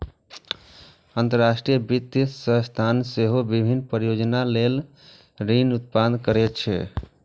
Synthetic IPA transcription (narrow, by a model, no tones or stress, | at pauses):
ənt̪əɾːasʈɾijəbit̪ːsə̃st̪ʰanseɦobibʱinːpɾəjod͡ʒnalel | ɾinut̪̚pad̪kəɾɛt̪t͡ʃʰɛ̰